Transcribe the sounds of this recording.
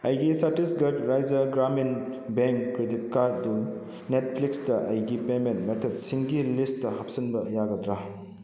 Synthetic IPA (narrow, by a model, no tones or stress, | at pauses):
ɐjɡisatisɡɐtɾajd͡ʒɐɡɾaminbeŋkːɾedit̚kaɾdu | net̚pʰliksdɐʔɐjɡipementmetʰet̚siŋɡilistːɐhɐp̚sinbɐjaɡɐdɾa